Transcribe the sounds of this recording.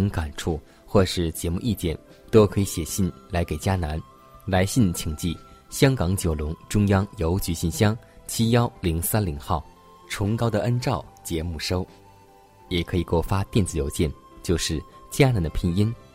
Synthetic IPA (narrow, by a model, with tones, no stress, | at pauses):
ŋka˨˩nʈ͡ʂʰu˥˧ | xwɔ˥˩ʂɻ̩˥˩t͡ɕjɛ˧˥mu˥˧ʔi˥˩t͡ɕjɛ̰˥˩n | t̪o˥ʊkʰɤ˧˥i˧˥ɕjɛ˨˩ɕi˥˩nla˧˥ɪke˨˩ɪt͡ɕja˥na˧˥n | la˧˥ɪɕi˥˩nt͡ɕʰi˧˩ŋt͡ɕi˥˩ɕjɑ˥ŋkɑ˧˥ŋt͡ɕjo˨˩ʊlʊ˧˥ŋʈ͡ʂʊ˥ŋjɑ˥ŋjo˧˥ʊt͡ɕy˧˥ɕi˥˩nɕjɑ˥ŋ | t͡ɕʰi˥jɑ˥ʊli˧˥ŋsa˥nli˧˥ŋxɑ˥˩ʊ | ʈ͡ʂʰʊ˧˥ŋkɑ˥ʊd̪ə˨ʔə˥nʈ͡ʂɑ˥˩ʊt͡ɕjɛ˧˥mu˥˩ʂo˥ʊ | jɛ˨˩kʰɤ˧˥i˨˩kwɔ˥˩fa˥t̪jɛ˥˩nt͡sɹ̩˨˩jo˧˥ʊt͡ɕjɛ˥˧˩n | t͡ɕjo˥˧ʊʂɻ̩˥˩t͡ɕja˥na˧˥nd̪ə˧pʰi˥˩ni˥n